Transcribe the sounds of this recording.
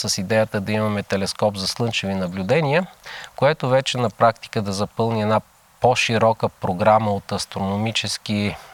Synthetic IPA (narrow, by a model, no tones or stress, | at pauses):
səsid̪ɛjət̪əd̪ɐimɐmɛt̪ɛlɛskɔpzɐslˠɤnt͡ʃivinɐblʲud̪ɛniəkoɛt̪ovɛt͡ʃɛnɐpɾak̚t̪i̥kəd̪ɐzɐpɤlˠniɛna | poʃiɾɔkəpɾoɡɾaməot̪ɐst̪ɾonomit͡ʃɛski